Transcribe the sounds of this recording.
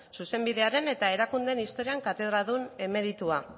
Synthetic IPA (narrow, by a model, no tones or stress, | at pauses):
suse̞mbiðe̞aɾe̞ne̞t̪ae̞ɾakund̪enist̪o̞ɾiaŋkat̪e̞ð̞ɾaðune̞me̞ɾit̪ua